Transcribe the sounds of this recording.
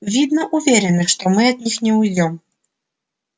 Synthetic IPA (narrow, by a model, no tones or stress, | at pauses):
vʲid̪nɐʔuvʲɛɾɛnɨʂt̪ɔmɨɐd̪nʲixnʲɛujd͡zʲɔm